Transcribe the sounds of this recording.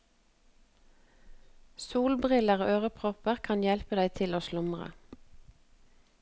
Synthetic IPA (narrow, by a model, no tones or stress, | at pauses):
suːlbʁɪləʁoːʔøːʁəpʰʁɔpəʁkʰɑnjɛlpəd̪æɪt̪ʰɪloːʃlʊmʁə̰